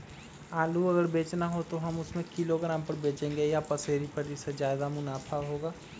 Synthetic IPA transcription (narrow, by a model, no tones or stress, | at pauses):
aːluɐɡəɾbeːt͡ʃnaɦot̪oɦɐmʊsmẽkɪloɡɾãːmpəɾbeːt͡ʃẽːŋɡejapɐseːɾipɐʈisezjaːd̪amʊnaːpʰaɦoːɡaː